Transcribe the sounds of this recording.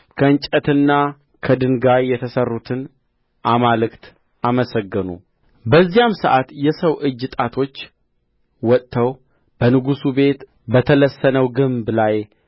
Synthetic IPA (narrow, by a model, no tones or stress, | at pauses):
kʰəɨnt͡ʃʼət̪ɨnːa | kʰəd̪ɨŋɡajːɛt̪ʰəsərːut̪ʰɨn | ʔamalɨkt̪ | ʔaməsəɡːɨnṵ | bəzːijamsəʔat̪jɛsəwʔɨd͡ʒːɨt̪ʼat̪ʰo̞t͡ʃː | wɔt̪ʼːəw | b̥ənɨɡusube̞t̪ | bət̪ʰələsːənəwɡɨmblaj